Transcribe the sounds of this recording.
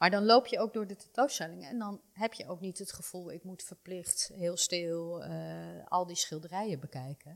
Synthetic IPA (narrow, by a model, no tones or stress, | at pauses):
maːɹdɑnlowpjəowk̚dʊːɹdətɛtowstɛlɪŋəɛ̰ndɑnɦɛpjəʔowknitɦətχəv̥ulˠɪkmutfəɹplɪχtɦɪːlˠstɪlˠ | ɑ̰lˠdisχɪlˠdərɛjəbəkɛjkən